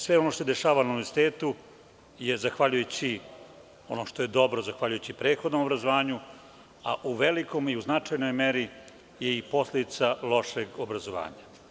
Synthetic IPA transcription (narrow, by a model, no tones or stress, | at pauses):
sʋe̞ono̞ʃt̪osed̪eʃaːʋananueɾsi̥t̪eːt̪u | je̞zaxʋaʎujut͡ɕi | o̞̰noʃt̪o̞je̞d̪o̞bɾozaxʋaʎujut͡ɕipɾeːt̪xod̪no̞mobɾazoʋaːɲu | a̰ʔuʋe̞liko̞miuznat͡ʂajno̞jmeɾi | jeipo̞sled̪it̪salo̞ʂeɡobɾazoʋa̰ːɲa